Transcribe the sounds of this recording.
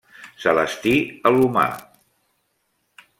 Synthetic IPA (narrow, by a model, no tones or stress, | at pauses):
sələst̪iəluma̰